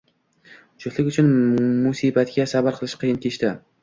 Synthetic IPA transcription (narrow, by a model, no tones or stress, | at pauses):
ʊt͡ʃʰʊt̪lɪkʲʊt͡ʃʰʊnmʊsibat̪ɡʲasabaɾqʰɨlˠɪʃqʰɨjɪnk̪ʰʲeʃt̪a